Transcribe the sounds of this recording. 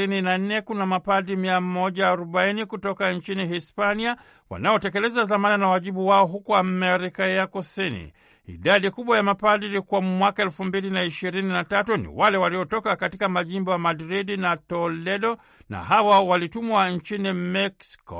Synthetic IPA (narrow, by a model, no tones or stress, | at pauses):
ininan̩nɛkunamapadimiamɔʄaːɾɔɓainikutɔkaɲt͡ʃinihispania | wa̰naɔtɛkɛlɛzaðamananawaʄiɓuwaɔɦukuamɛɾikajakusinḭ | ḭɗaɗikuɓwajamapadilikuwamwakaɛlfumbilinaiʃiɾininatatunḭwalɛwaliɔtɔkakatikamaʄimbɔjamadɾidinatɔlɛɗɔ | na̰hawawalitumuaɲt͡ʃinimɛksi̥kɔ̰